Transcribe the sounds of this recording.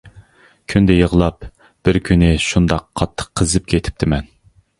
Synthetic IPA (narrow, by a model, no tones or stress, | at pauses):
kʲʰynd̪ɛjəʁlˠɑp | b̥ɪɾkʲʰynɪʃund̪ɑqʰːɑt̪ʰːə̥qʰːəzɨp̚kʲʰet̪ʰɪ̥p̚t̪ʰɪmɛn